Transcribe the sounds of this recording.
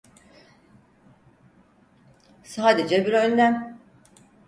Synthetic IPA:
saːd̪ed͡ʒɛbiɾønʲlʲæm

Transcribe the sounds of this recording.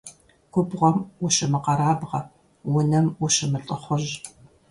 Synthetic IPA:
kʷʊbʁʷɔmwʊɕɪmɨqɐɾaːbʁɐ | wʊnɐmwʊɕɪmɨɬʼɨχʷʊʑ

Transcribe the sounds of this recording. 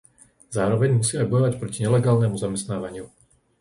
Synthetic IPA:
zaːɾɔʋɛɲmusiːajbɔjɔʋacpɾɔciɲɛlɛɡaːlnɛmuzamɛst̪naːʋaɲɪu

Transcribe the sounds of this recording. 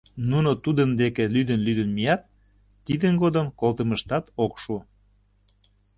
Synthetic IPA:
nunot̪ud̪ənd̪ekelyd̪ənlyd̪ənmijɑt̪̚ː | id̪ənɡod̪əmkolt̪əməʃt̪ɑt̪okʃu

